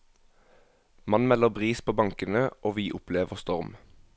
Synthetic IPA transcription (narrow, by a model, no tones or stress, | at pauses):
mɑnmɛləʁbʁiːspʰoːbɑŋkənəʔoːʋiːʔʊpleːʋəʁst̪ɔʁm